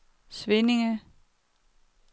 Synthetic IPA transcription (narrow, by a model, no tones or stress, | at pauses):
sʋenɪŋə